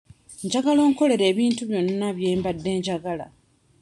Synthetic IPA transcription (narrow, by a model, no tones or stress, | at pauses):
ɲɟaɡalo̞ːŋko̞le̞ɾe̞ːβiːntuβjo̞nːaβjeːmbadːe̞ːɲɟaɡala̰